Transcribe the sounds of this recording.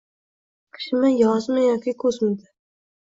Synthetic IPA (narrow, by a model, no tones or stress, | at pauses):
qʰɨ̥ʃmɪjɒzmɪjɒkʲikʰɵzmɪd̪ɪ